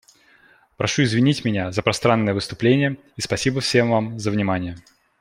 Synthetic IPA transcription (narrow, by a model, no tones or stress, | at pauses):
pɾʔɐʂuɪzvʲɪnʲitʲmʲɪnʲazəpɾɐst̪ɾanːəjəvɨst̪ʊplʲenʲɪjə | ispɐsʲibəfsʲe̞mvamzəvnʲɪmanʲɪjə